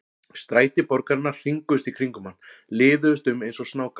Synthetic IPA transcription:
st̪ɾaːjt̪ɪpɔɾkaɾɪnːaɾ̥r̥iŋkʏst̪ikʰɾiŋkʏmanːlɪːðʏʏst̪ʏmejnsɔsnaːwka

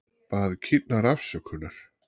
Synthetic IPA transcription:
paːðcʰɪt̪naɾafsœkʰʏnaɾ̥

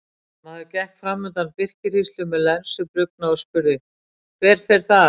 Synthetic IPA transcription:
maðɪcɛhkfɾamːʏnt̪anpɪr̥cɪɾist̪ʏmɛðlɛnsʏpɾʏk̚naɔspʏɾðɪ | kʰvɛːɾ̥fɛɾ̥θa

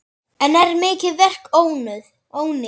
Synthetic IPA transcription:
ɛnɛɾmɪːcɪðvɛr̥koːwnʏð | oːwnɪ

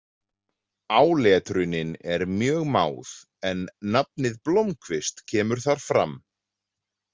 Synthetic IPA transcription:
aːwlɛːt̪ɾʏnɪnɛɾmjœːɣma̰ːwð | ɛnːap̚nɪðplowmkʰvɪst̪cʰɛːmʏɾ̥θaɾ̥fɾa̰m

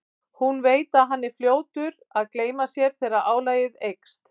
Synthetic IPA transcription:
hunveːjt̪aɦanːɪfljoːwt̪ʏɾ | aðkleːjmasjɛɾ̥θɛːɾaʔaːwlaːjɪðejkst̪

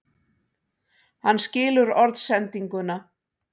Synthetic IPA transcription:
hanːscɪːlʏɾɔɾt̪sɛnt̪iŋkʏna

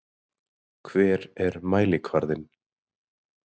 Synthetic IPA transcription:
kʰvɛːɾɛɾmaːjlɪkʰvaɾðɪn

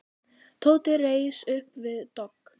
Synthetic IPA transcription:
t̪ʰoːwt̪ɪreːjsʏhpvɪðt̪ɔk

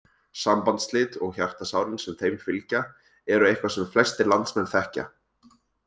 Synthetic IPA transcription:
sampant̪slɪt̪ɔɣçar̥t̪asaːwɾɪnsɛmθejmfɪlca | ɛɾʏejhkvasɛmflɛst̪ɪlant̪smɛnθɛhca̰

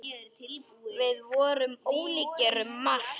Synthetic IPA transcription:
t̪ʰɪlpuvɪðvɔːɾʏmoːwliːcɛɾʏmːal̥

